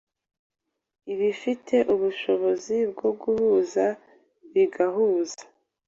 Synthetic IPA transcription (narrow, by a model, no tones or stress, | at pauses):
iβifitʰe̞ʔuβuʃo̞βo̞zib̚ɡo̞ɡuhuːza | βiɡahuːzḁ